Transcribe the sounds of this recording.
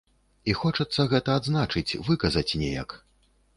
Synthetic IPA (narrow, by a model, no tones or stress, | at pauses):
ixɔt͡ʂɐt̪sːɐɣɛt̪ɐːd̪znat͡ʂɨt͡sʲvɨkɐzɐt͡sʲnʲɛja̰k